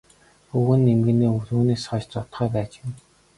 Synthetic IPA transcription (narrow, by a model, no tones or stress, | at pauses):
xuɣɘ̆nːemɘ̆ɡɘ̆neːuɮuːneːsχɔːt͡ɕt͡sɔt̪χœːpæːt͡ɕɪ̆m